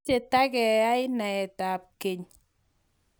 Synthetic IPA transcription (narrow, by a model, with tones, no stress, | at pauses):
e˨ta˦kɛ˨a˦ɪ˦na˨ɛ˨ta˨p̚ke˨ɲ